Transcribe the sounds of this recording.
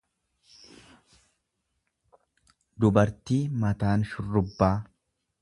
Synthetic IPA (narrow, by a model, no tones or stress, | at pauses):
d̪ʊbɐɾt̪iːmɐt̪aːnʃʊrːʊbːaː